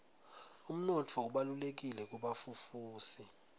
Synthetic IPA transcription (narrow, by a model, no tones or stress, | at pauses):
um̩nɔtʰɔuɓalulek̬ilɛk̬ʼuɓafufuːsi